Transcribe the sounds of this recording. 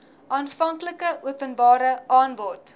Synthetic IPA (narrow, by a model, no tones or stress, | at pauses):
ʔɑːnfɐŋkləkəʔuəpənbɑːɾəʔɑːnbɔt